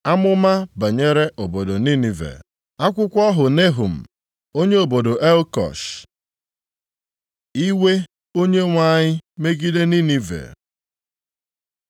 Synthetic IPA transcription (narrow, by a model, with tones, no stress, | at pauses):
a˦mʊ˦ma˦ba˨ɲe˦ɾe˦ʔo˨bo˨do˨ni˦ni˨vḛ˨ | a˦kʷʊ˦kʷɔ˦ɦʊ˨ne˦ɦu˨m̩˨ | o˦ɲe˦o˨bo˨do˨ʔe˦lkɔ̰˨ʃ | i˦we˦ | o˦ɲe˦ŋʷa˦ɲɪ˦me˦ɡi˦de˦ni˦ni˦vḛ˨